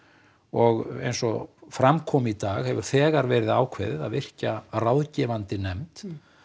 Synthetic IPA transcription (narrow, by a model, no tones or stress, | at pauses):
ɔɣḛjnsɔfɾamkʰɔːmit̪aːɣhɛvʏɾ̥θɛːɣaɾvɛːɾɪða̰ːwkʰvɛ̰ːðɪða̰ðɪr̥carawðcɛvant̪ɪnɛmt̪